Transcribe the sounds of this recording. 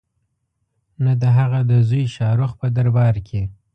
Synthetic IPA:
nad̪əɦaɣad̪əzujʃɑɾʊxpəd̪aɾbɑɾkʰe

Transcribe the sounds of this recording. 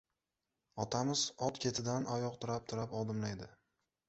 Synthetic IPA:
ɒt̪ʰamɪzɒt̪kʲʰe̞t̪ʰɪd̪anʔajɒqt̪ʰʊɾap̚t̪ʰʊɾapɒd̪ɪmlajd̪ɪ

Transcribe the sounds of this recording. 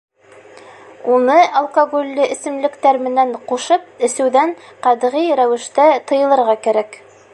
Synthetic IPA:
unɤʔɐlˠkoɡolʲːɘʔɘ̆sɘ̆mlɘ̆kt̪æɾmɘ̆næɴquʃɤp̚ɘ̆sɘ̆wðæɴqɑd̪ʁijɾæwɘ̆ʃt̪æt̪ɤ̆jɤ̆lˠɤ̆ɾʁɑkæɾæk

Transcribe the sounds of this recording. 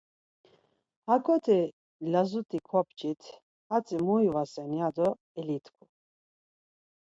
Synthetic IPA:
hakʰʼɔt̪ʰi | lazut̪ʼikʰɔpt͡ʃʼit̪ʰ | hat͡sʼimujvasɛnjad̪ɔ | ɛlit̪ʰkʰu

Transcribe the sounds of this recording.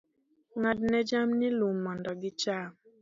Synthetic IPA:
ŋad̚nɛd͡ʒamnilumːɔndɔɡit͡ʃa

